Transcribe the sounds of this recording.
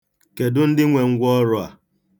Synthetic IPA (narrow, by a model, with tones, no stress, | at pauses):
ke˨dʊ˦n̩˦dɪ˦ŋʷe˨ŋ̩˦ɡʷɔ˦ɾʊ˦a̰˨